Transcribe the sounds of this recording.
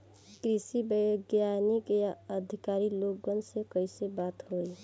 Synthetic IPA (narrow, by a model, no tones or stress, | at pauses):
kɾisibəjɡjanikjaəd̪ʱɪkaːɾilok̚ɡənsekəɪsebaːt̪ɦoi